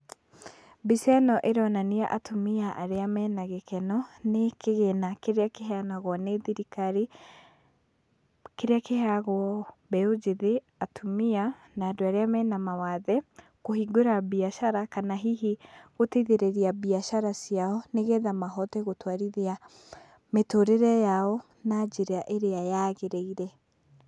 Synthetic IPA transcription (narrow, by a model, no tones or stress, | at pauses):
bisɛnɔʔeɾɔnaniaʔatʰomiaʔaɾeamɛnaɣɛkɛnɔnekeɣenakeɾeakeɦɛanaɣwɔneðiɾikaɾi | keɾeakehɛaɣwɔbɛod͡ʒeðe | atʰomia | naːdoaɾeamɛːnamawaðɛ | koɦiɡoɾabiaʃaɾakanaɦiɦiɣoteiðeɾeɾiabiaʃaɾasiaɔneɣeðamaɦɔtɛɣotwaɾiðia | metoɾeɾɛjaɔ | nad͡ʒeɾeaʔeɾeajaːɣeɾeiɾɛ